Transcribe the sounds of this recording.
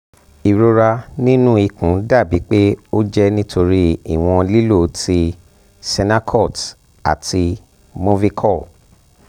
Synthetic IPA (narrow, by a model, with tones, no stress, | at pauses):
i˨ɾo˧ɾa˧nĩ˦nũ˦i˧kũ˨˦da˦˨bi˨˦k͡pe˦o˦d͡ʒɛ˦nĩ˦tʰo˧ɾi˦i˨w̃ɔ̃˧li˦lo˦˨tʰi˧ | sɛ˧na˦kʰɔ˦˨t | a̰˨tʰi˧ | mo˦vi˦kʰɔ˦˨